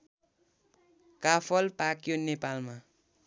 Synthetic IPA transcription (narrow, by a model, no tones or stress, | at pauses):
kapʰʌlpakjonepalma